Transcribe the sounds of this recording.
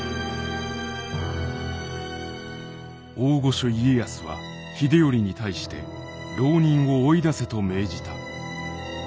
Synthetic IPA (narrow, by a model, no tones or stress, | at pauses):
oːɡo̞ɕoie̞jasɨβa̰ | çʲid̪e̞o̞ɾʲiɲ̟it̪aiɕi̥t̪e̞̰ | ɾo̞ːɲ̟ĩɰ̃o̞ːid̪ase̞t̪o̞me̞ːd͡ʑit̪a